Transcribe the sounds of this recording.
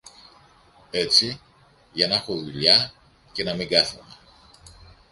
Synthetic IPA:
e̞t͡si | ʝɐnexoðuʎɐ | ce̞nɐmiŋɡɐθune

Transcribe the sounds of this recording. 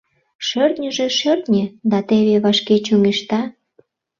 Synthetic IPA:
ʃørt̪nʲəʒĕʃørt̪nʲed̪ɑt̪eβeβɑʃket͡ɕuŋeʃt̪ɑ

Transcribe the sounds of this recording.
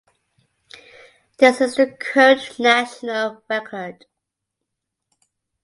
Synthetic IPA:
ðɪsɪzðəkʰoʊt͡ʃnæʃənəlɹɛkʰə˞d̥

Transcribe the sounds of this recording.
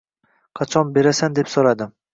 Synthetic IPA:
qʰɑt͡ʃʰɒnbe̞ɾasand̪e̞psoɾad̪ɪ

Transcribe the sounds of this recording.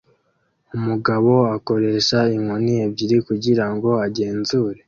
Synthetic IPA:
umuɡaβo̞ako̞ɾe̞ːʃaiŋonievɟiɾikuɟiɾaŋɡo̞aɟe̞ːnzuːɾe̞

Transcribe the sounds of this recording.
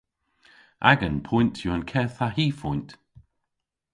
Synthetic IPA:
ʔa̰ɡənpʰɔjntʰjuənkʰɛθaɦiːfɔjnt

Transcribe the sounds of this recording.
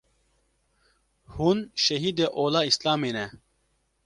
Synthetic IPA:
hunʃɐɦiːd̪eʔoːlaːislaːmenɛ

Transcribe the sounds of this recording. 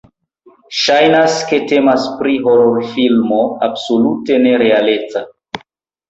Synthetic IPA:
ʃajnaske̞te̞maspɾiɦo̞ɾoɾfilmoabsolute̞ne̞ɾe̞ale̞t͡sa

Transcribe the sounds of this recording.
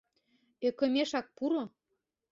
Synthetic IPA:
ekɤ̆meʃɑk̚puɾo

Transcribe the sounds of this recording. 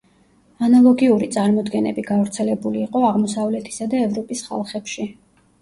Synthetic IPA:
analˠɔɡiuɾit̪sʼaɾmɔd̪ɡɛnɛ̰biɡavɾt̪sʰɛlɛbuliːqʼɔaʁmɔsavlɛt̪ʰi̥sad̪aɛvɾɔpʼisχa̰lˠχɛpʃi

